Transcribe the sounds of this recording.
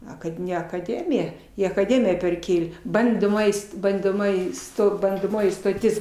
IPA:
ˈɐ kɐt ˈnʲɛ ɐkɐˈdʲæːmʲɪjɛ ɪ ɐkɐˈdʲæːmʲɪjɛ pʲɛrʲˈkʲeːlʲeː ˈbɐndoːmoːjɪ st bɐndoːˈmoːjɪ stoː bɐndoːˈmoːjɪ stoːˈtʲɪs

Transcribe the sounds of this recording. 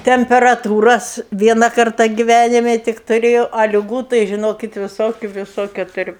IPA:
tʲɛmʲpʲɛrɐˈtuːrɐs ˈʋʲiɛnɐ ˈkɐrtɐ ɡʲɪˈʋʲænʲɪmʲɛ ˈtʲɪk tʊˈrʲeːjɛʊ ɐ lʲɪˈɡuː tɐɪ ʒʲɪˈnoːkʲɪt ʋʲɪˈsoːkʲʊ ʋʲɪˈsoːkʲʊ tʊˈrʲʊ

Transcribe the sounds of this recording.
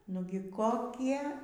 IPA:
ˈnʊɡʲɪ koːˈkʲiɛ

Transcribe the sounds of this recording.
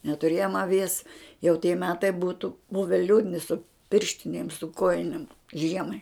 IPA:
nʲɛtʊˈrʲeːjoːm ɐˈʋʲiɛs jɛʊ tʲiɛ ˈmʲæːtɐɪ ˈbuːtʊ ˈbʊʋʲɛ ˈlʲuːdʲnʲɪ sʊ ˈpʲɪrʲʃʲtʲɪnʲeːm sʊ ˈkoːjɪnʲeːm ˈʒʲiɛmɐɪ

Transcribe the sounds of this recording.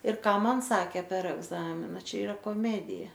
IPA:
ɪr ˈkɑː ˈmɐn ˈsɑːkʲeː pʲɛr ˈæːɡzɐmʲɪnɐ ˈt͡ʃʲɛ ɪˈrɐ koːˈmʲæːdʲɪjɛ

